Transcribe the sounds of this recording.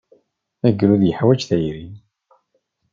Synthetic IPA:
æɡɾuðjəħwæd͡ʒθæjɾin

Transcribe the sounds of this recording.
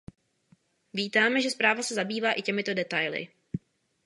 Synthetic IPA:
viːt̪aːmɛʒɛspɾaːvasɛzabiːvaːʔɪcɛmɪt̪o̞dɛt̪ajlɪ̰

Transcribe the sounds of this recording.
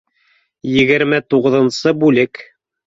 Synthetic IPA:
jɘ̆ɡɘ̆ɾmɘt̪uʁɤ̆ðɤ̆nsɤbʉlɘk

